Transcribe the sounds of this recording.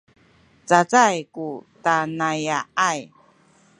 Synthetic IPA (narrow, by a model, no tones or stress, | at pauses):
t͡sat͡sajkutanajaaj